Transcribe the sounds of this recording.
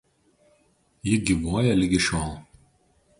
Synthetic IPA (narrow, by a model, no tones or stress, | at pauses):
jɪɡʲiʋoːjɛlʲɪɡʲɪʃʲoːlˠ